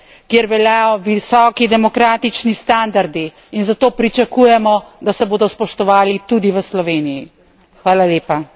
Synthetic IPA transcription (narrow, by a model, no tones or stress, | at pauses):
kjeɾʋɛljaːjɔʋisɔːkid̪ɛmɔkɾaːt̪it͡ʃnist̪and̪aɾd̪iː | nzat̪oːpɾit͡ʃakujɛmɔd̪asɛboːd̪ɔspɔʃt̪ɔʋaːlit̪ud̪iʋəslɔʋeːniji | xʋaːlaljeːpa